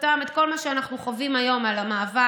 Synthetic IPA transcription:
tamet̪̚ko̞lmaʃeanaχnuχovimajo̞malamaːva

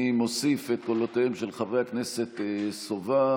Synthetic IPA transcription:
imosifet̪̚kolot̪eemʃelχavʁeaknese̞t̪sova

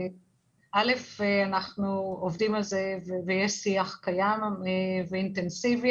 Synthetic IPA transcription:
ʔale̞feanaχnuovd̪imalzevevejesiaχkajameveint̪ensivi

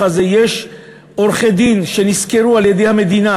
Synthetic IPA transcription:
aze̞jeʃ | oɾχed̪inʃe̞niskeʁualjed̪ejhame̞d̪ina

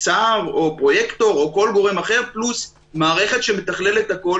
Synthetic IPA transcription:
t͡saʁo̞pʁo̞jekt̪o̞ʁoko̞lɡo̞ʁemaχe̞ʁplus | maːʁe̞χe̞tʃeme̞taχle̞let̪hako̞

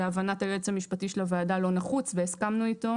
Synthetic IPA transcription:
eavanatajet͡shamiʃpatiʃelavaadalo̞naχut͡sveːskamnuito̞

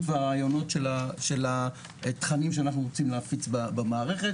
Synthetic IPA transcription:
veaʁaːjo̞no̞tʃelaʃela | tχanimʃeanaχnuʁot͡simleafit͡sbabamaːʁe̞χet

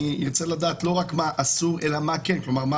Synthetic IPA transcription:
ijot͡selad̪aːt̪lo̞ʁakmaʔasuʁelamakenklo̞maʁma

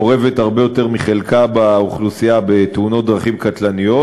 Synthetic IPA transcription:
oʁeve̞thaʁbe̞jo̞te̞ʁmiχe̞lkabauχlusijabeteuno̞t̪̚d̪ʁaχimkat̪lanijo̞

